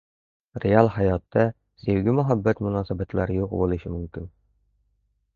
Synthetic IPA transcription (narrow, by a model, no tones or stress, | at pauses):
rʲealˠhæjɒt̪ːɑ | sɘwɡɘmɵ̆ɦæbːæt̪mʊ̆nɑsæbæt̪læɾjuqbulˠɤ̆ɕɘmɵ̆mkin